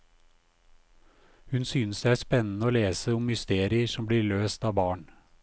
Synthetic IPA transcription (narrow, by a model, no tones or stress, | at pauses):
hʉnsyːnəsd̪eæːspɛnn̩əoːleːsəʊmhʏst̪eːɾɪəʂɔmbliːɭøːst̪ɑːbɑːɳ